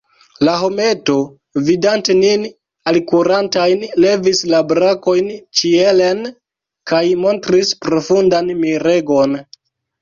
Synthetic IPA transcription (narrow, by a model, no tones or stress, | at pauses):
laɦo̞me̞to̞ | vidante̞nin | alkuɾantajnle̞vislabɾako̞jnt͡ʃie̞le̞n | kajmo̞ntɾispɾo̞fundanmiɾe̞ɡo̞n